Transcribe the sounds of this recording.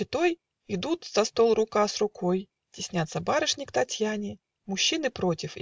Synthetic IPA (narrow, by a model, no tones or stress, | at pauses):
ɪt̪o̞j | ɪd̪ut̪z̥ɐst̪o̞lˠrʊkasrʊko̞j | tʲɪsʲnʲat̪səbaɾɨʂnʲɪkt̪ɐtʲjanʲɪ | mʊɕːinɨpɾo̞tʲɪf